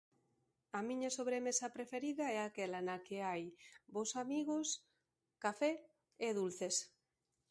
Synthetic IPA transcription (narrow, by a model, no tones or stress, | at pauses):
amĩɲasoβɾemesapɾefeɾiðaɛakelanakeajbosamiɣos | kafɛ | eðulθes